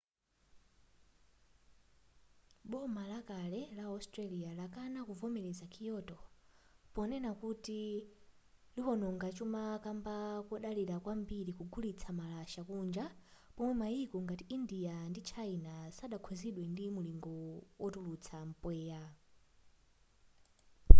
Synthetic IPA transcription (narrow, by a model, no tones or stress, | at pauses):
ɓɔmalakalɛlaastɾalialakanakuvɔmɛɾɛzakʰijɔtɔ | pɔnɛnakuti | lihɔnɔŋɡat͡ʃumakambakɔɗaliɾakwambiɾikuɡulit͡sʰamalaʃakund͡ʒapɔmwɛmaikɔŋɡatiindijandit͡ʃʰainasaɗakʰwɔziɗwɛndimuliŋɡɔwʔɔtulut͡sʰam̩pwɛːja